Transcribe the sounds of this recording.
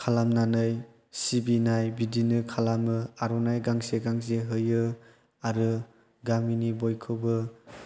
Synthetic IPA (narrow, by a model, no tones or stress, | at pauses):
kʰalamnanɯj | sibinajbidinɯkʰalamɯaɾɔnajɡaŋseɡaŋseɦɯjɯ | aɾɯ | ɡaminibojkʰɯbɯ